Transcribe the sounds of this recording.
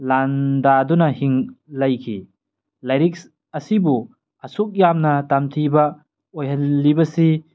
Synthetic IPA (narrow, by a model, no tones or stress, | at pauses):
landadunɐhiŋlɐjkʰḭ | lajɾik̚s | ɐsibu | ɐsuk̚jamnɐtamtʰibɐ | ojɦɐnːibɐsi